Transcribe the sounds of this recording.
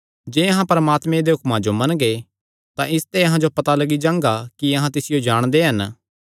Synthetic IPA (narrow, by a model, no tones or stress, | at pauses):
d͡ʒeːɐɦãpɐɾəmaːt̪mẽd̪eɦʊkmãd͡ʒomɐ̃nɡe | t̪ãʔɪst̪ɛɐɦãd͡ʒopɐt̪alɐɡid͡ʒãːŋɡakiɐɦãt̪ɪsɪjod͡ʒaːɽ̃d̪eɦɐn